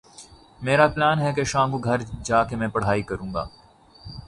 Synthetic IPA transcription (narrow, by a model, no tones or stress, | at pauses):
meːɾaplaːnɦɛkeʃãːŋɡuɡʱɐɾd͡ʒaːkemɛ̃ːpɐɽ̤aːikɐɾũːŋɡa̰ː